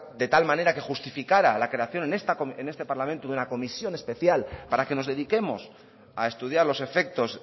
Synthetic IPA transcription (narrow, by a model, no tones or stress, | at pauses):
d̪e̞t̪almãne̞ɾake̞xust̪ifikaɾalakɾe̞aθjo̞nenest̪akoene̞st̪e̞paɾlamẽnt̪uðunako̞misjo̞ne̞spe̞θjalpaɾake̞no̞zðe̞ðike̞mo̞s | ae̞st̪uð̞jaɾlo̞se̞fe̞k̚t̪os